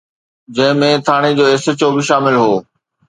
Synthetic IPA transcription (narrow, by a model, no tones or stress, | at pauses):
d͡ʑɐ̃ɦɪ̃mẽt̪ʰaːɽ̃id͡ʑoːeːsət͡ɕobɪʃaːmɪlɦoː